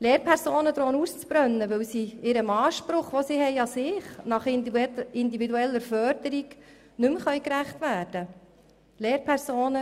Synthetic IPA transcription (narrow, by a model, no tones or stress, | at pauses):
leːɾpʰɛɾsoːnəd̪ɾoːnust͡sb̥ɾœnːəʋɵwsiɪɾəmɑːʃpɾʊχʋosiːhɛjɑsɪːχnɑχɪnd̪ividuɛlːəɾfœɾdəɾiɡ | nʉmχœʏkɾæχtʋæːɾd̥ə | leːɾpʰɛɾsoːnə